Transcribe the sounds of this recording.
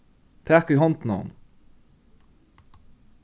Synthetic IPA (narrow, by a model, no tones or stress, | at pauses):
t̪ʰæːkɪɦɔnt̪na̰ʊn